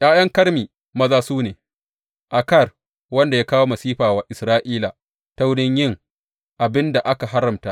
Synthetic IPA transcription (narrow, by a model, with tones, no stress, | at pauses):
j̰ʔaː˦jɐ˦ŋkɐ˦ɽmiː˨ | mɐ˦zaː˦suː˦neː˨ | ʔa˨kɐ˦˨r | wɐ˦nda˨jaː˦kaː˦woː˦mɐ˨siː˦ɸaː˨waː˦ʔɪ˨sɾaː˦ʔiː˦la˨ | ta˦wɽɪ˦ɲjɪ˦˨ŋ | ʔa˨bɪ˦nda˨ʔa˦ka˨ɦa˦ɾɐ˨mta˦ʔ